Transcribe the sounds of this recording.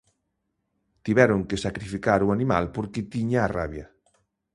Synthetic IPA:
t̪iβɛɾoŋkesakɾifikaɾuanĩmalpoɾket̪iɲaːraβja

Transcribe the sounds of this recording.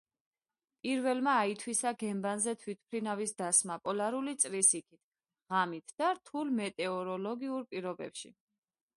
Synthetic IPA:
pʼiɾvɛlmaːit̪ʰwisaɡɛmbanzɛt̪ʰwit̪̚ʰpʰɾinavisd̪asmapʼɔlaɾulit̪sʼɾisikʰit̪ʰ | ʁamit̪ʰd̪̥aɾt̪ʰulmɛt̪ʼɛɔɾɔlɔɡiuɾpʼiɾɔbɛ̰pʃḭ

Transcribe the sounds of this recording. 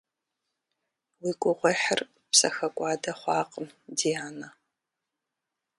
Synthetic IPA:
wikʷʼʊʁʷɔħər | psɐxɐkʷʼɑːdɐχʷɑːqʼəmdiaːnɐ

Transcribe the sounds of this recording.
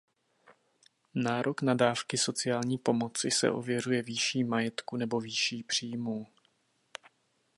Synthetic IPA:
naːɾʔo̞knadaːfkɪso̞t͡sɪjaːlɲiːpo̞mot͡sɪsɛ̰ʔo̞vjɛr̝ujɛviːʃiːmajɛt̪kunɛbo̞viːʃiːpr̝̥iːmuː

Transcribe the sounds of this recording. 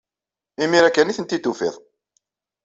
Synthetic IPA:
imiɾækːæniθənt̪it̪ːufḭðˤ

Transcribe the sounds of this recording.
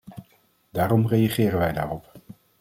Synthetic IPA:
daːɾɔmrejaχɪːɾənʋɛjda̰ːrɔp

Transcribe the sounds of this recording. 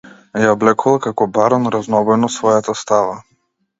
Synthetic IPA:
jablɛkulˠakakɔbaɾanɾaznɔbɔjnɔt̪svɔjat̪ast̪ava

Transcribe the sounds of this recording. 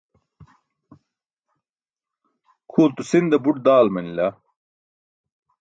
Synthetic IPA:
kʰuːlt̪usind̪ɐbuʈ̚d̪aːlmɐnilɐ

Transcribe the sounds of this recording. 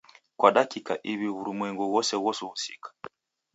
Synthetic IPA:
kwʔaɗakikaʔiβiβuɾumwɛŋɡuɣɔsɛɣɔsuhusikḁ

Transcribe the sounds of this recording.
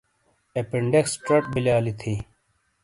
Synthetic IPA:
epeɳɖeksʈɐʈbilaːlit̪ʰi

